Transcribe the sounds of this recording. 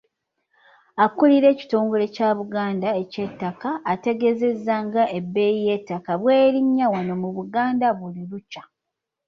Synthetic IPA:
akuliɾe̞ːci̥to̞ːŋɡo̞le̞caβuɡaːndaecetːakaːte̞ɡe̞ze̞zːaŋɡaʔe̞bːe̞jije̞tːakaβwe̞ːɾiɲːawanomuβuɡaːndaβuliɾuca

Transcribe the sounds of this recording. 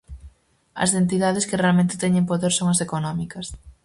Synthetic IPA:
ɐ̰zðent̪iðaðɪskɪrealmẽnt̪ɪ̥t̪ɛɲẽmpoðeɾsoŋɐsekonɔmikɐs

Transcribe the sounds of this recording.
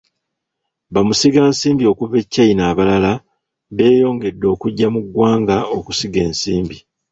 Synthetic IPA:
βamusiɡaːnsiːmbio̞kuβe̞cːainaːβalala | βe̞ːjo̞ːŋɡe̞dːo̞ːkuɟːamuɡwaːŋɡao̞kusiɡe̞ːnsiːmbi

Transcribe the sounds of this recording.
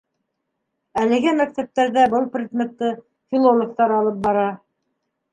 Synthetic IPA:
ælɘ̆ɡɘmæk̚t̪æp̚t̪æɾðæbɤlˠprʲeɡ̪mʲet̪ːɤ | fʲilˠolˠŏk̚t̪ɑɾɑlˠɤp̚bɑɾɑ

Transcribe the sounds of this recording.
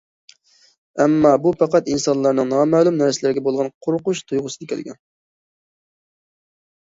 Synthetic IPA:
ɛmːɑbupɑqɑt̪insɑnlˠɑɾnɨŋnɑmɛːlˠumnæɾsɪlæɾɪɡʲɛbolˠʁɑnqʰoɾqʊʃt̪ʰujʁʊsɨd̪ɪkʲʰæ̰lɡʲɛ̰n

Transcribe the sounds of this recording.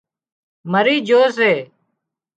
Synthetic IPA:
məɾiːd͡ʒoːseː

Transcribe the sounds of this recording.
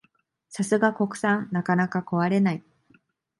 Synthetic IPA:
sasɨɡako̞kɯ̟̥sãnnakanakako̞βaɾe̞nai

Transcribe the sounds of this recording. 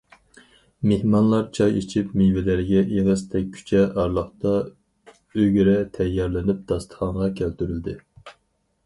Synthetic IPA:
mehmɑnlˠɑɾt͡ʃʰɑjit͡ʃʰipmijvɪlæɾɡʲɛʔeʁɨst̪ʰɛk̚ʲʰːy̥t͡ʃʰɛʔɑɾlˠəχt̪ɑ | øɡʲɾɛt̪ʰɛjːɑɾlɪnyp̚d̪̥ɑst̪ʰə̥χɑŋʁɑkʲʰælt̪yɾyld̪ɪ

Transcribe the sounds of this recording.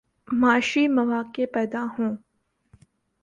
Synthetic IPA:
maːʃimɐʋaːkepɛːd̪aɦũː

